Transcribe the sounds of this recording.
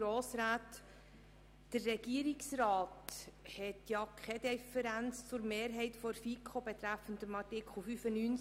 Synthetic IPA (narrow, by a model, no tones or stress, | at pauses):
ɾoːsɾaːt | ərːɛɡ̥iːɾiksrɑːthɛtjɑkʰχɛd̥ɛfəɾænt͡st͡sʊɾmeːɾɦɛɪtfɔɾfikʰχobɛt̪ɾæfəndəmɑɾtɪkʰl̩ˠfyfənyːn